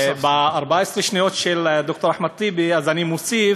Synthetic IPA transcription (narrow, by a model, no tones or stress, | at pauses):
baaʁbaaesʁeʃnijo̞tʃeld̪ok̚t̪o̞ɾaħmad̪̚t̪ibiazanimosif